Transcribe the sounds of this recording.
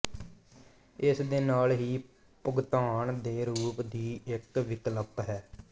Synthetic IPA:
ɪsd̪eːnaːlɦiː | pʊɡt̪aːɳd̪eːɾuːpd̪iːɪkʋɪkləpɦɛː

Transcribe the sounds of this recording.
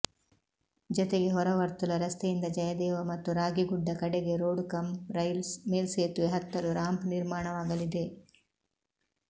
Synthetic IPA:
d͡ʒɔt̪e̞ɡe̞ɦɔɾɐʋɐɾt̪ulɐɾɐst̪ejind̪ɐd͡ʒɐjɐd̪ɛːʋɐmɐt̪ːuɾaːɡiɡuɖːɐkɐɽeɡe̞ɾoːɖkɐmɾɐjlsmeːlseːt̪ueɦɐt̪ːɐɾuɾaːmpniɾmaːɳɐʋaːɡɐlid̪e̞

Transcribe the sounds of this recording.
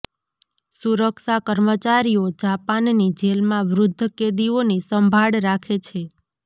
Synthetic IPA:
suɾəkʃakəɾmət͡ʃaɾiod͡ʒapannid͡ʒelmãʋɾʊd̪ʱːəked̪ionisəmbʱaɽɾakʰet͡ʃʰe

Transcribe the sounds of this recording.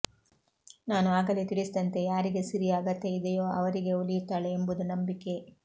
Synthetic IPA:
naːnuaːɡɐlit̪iɽisd̪ɐnt̪e̞jaːɾiɡe̞sɐɾijaːɡɐt̪ːe̞id̪ejoːʔɐʋɐɾiɡe̞ulijut̪ːaːɭeːmbud̪unɐmbikːe̞

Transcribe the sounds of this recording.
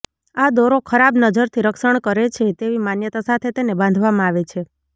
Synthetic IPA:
ad̪oɾokʰəɾabnəd͡ʒəɾt̪ʰiɾəkʃəɳkəɾet͡ʃʰet̪eʋimanjət̪asat̪ʰet̪enebãnd̪ʱʋamãaʋet͡ʃʰe

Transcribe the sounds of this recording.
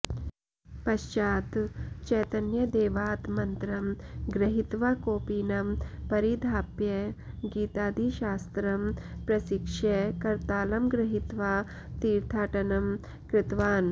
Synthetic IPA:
pɐʃt͡ʃaːt̪t͡ʃɛjt̪ɐnjɐd̪eːʋaːt̪mɐnt̪ɾɐmɡɾɐɦit̪ʋaːkoːpiːnɐmpɐɾid̪ʱaːpje | ɡiːt̪aːd̪ʱiʃaːst̪ɾɐmpɾɐsikʂekɐɾt̪aːlɐmɡɾɐɦit̪ʋaː | t̪iːɾt̪ʰaːʈɐnɐm | kɾɪt̪ʋaːn

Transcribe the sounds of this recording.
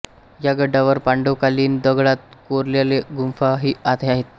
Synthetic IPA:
jaɡəɖaʋəɾpaɳɖokaliːnd̪əɡɭat̪̚koɾljaleɡumfaɦiːat̪ʰeaɦet̪̚

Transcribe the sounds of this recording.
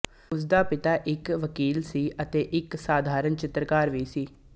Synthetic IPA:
ʊs̬d̪aːpɪt̪aːʔɪkʋəkiːlsiːʔət̪eːʔɪksaːd̪ʱaːɾənt͡ʃɪt̪ɾəkaːɾʋiːsiː

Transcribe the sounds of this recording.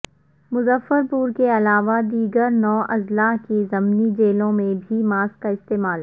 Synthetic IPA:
mʊzəfːəɾpuːɾkeɐlaːʋad̪iːɡəɾnɔːʔɐzlaɦkizɐmnid͡ʒeːlõmẽbʱimaːskaɪst̪eːmaːl

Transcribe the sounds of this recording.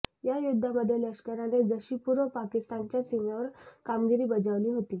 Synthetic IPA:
jajud̪ʱːaməd̪ʱːjeləkɕkəɾaned͡zəɕiːpuɾʋəpakist̪ant͡ɕjasimaʋəɾkamɡiɾiːbəd͡zaʋliːɦot̪iː

